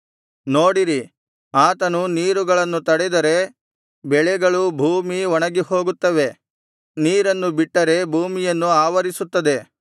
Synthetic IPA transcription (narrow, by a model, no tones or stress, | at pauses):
no̞ːɽiɾi | aːt̪ɐnuniːɾuɡɐɭɐnːut̪ɐɽɛd̪ɐɾe̞ | bɛɭɛɡɐɭubʱuːmiɔɳɐɡiho̞ːɡut̪ːɐʋe̞ | niːɾɐnːubiʈːɐɾe̞bʱuːmijɐnːuaːʋɐɾisut̪ːɐd̪e̞